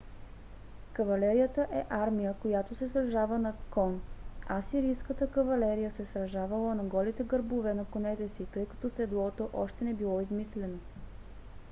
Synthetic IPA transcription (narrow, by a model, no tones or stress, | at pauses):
kɐvɐlɛɾijət̪əʔɛʔaɾmijəkojat̪osɛsɾɐʒavənɐkɔnasiɾijskət̪əkəvɐlɛɾijəsɛsɾɐʒavəlˠənɐɡɔlit̪ɛɡəɾbovɛnɐkonɛt̪ɛsit̪ɤjkɐ̥t̪ɔsɛd̪lˠɔt̪oʔɔʃt̪ɛnɛbilˠɔizmislɛno